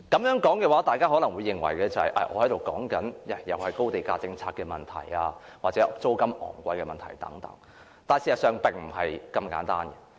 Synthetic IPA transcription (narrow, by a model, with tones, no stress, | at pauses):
kɐ˨˥mjœː˨˥ŋkɔː˨˥ŋkɛː˧waː˨˥t̪aː˨jkaː˥ɦɔː˨˥lɐ˨˩ŋwuː˨˧jːɪ˨ŋwɐ̰˨˩jkɛː˧t͡sɐ˨hɐ̰˨jʔɐ̰˧˨˩ʔɔ̰ː˨˧hɐ˨˥jt̪o˨wkɔː˨˥ŋkɐ˨˥njɛ˨˩jɐ˨whɐ˨jko˥wt̪e˨˩jkaː˧t͡sɪ˧ŋt͡sʰaː˧t̚kɛ˧mɐ˨˩nt̪ʰɐ̰˨˩jaː˧waː˨t̚t͡sɛ˨˦˥ʔt͡so˥wkɐ˥mɔ̰ː˨˩ŋkʷɐ˧jkɛ˧mɐ˨nt̪ʰɐ̰˨˩jt̪ɐ̰˨˥ŋt̪ɐ̰˨˥ŋ | t̪aː˨nsiː˨˩sɐ˨tsœː˨ŋpɪ˨˩ŋm̩˨˩ɦɐ˨jkɐ˧mka̰ː˨˥nt̪a̰ː˥nɡɛ̥˧